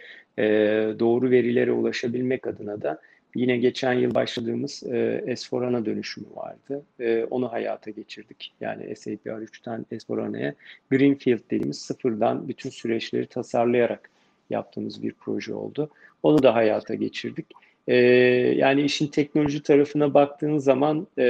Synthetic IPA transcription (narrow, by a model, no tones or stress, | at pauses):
ɛːd̪o̞ːɾuve̞ɾilʲe̞ɾɛṵlˠaʃabilʲmɛcad̪ɯnad̪a | jinɛɟe̞t͡ʃʰænjɯlˠbaʃlˠad̪ɯːmɯz̥̰ɛspo̞ɾanad̪ø̞nyʃymyva̰ɾd̪̥ɯːo̞̰nuɦaja̰ːt̪ʰaɟe̞t͡ʃʰiɾd̪icja̰ːnḭʔɛ̰sejpʰiaɾyt͡ʃt̪ʰanɛspo̞ɾa̰na̰jɛɡɾinfilʲˠd̪̚d̪ed̪imiz̥sɯfɯɾd̪anbyt̪ʰynsyɾɛt͡ʃlʲe̞ɾit̪ʰasaɾlˠajaɾak | ja̰p̚t̪ʰɯːmɯzbḭɾpʰɾo̞ʒɛ̰o̞̰lˠd̪ʊ | o̞nud̪aɦajaːt̪ʰaɟe̞t͡ʃʰiɾd̪ic | ɛːja̰ːniiʃint̪ʰɛc̚no̞lʲo̞ʒit̪ʰaɾafɯnabak̚t̪ʰɯːnɯzːaman